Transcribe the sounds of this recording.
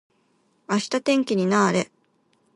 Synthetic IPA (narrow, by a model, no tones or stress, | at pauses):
aɕi̥t̪at̪ẽ̞ŋkʲiɲ̟inaːɾe̞